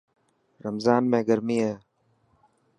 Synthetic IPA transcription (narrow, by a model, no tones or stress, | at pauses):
ɾɐmzaːnmẽːɡəɾmieː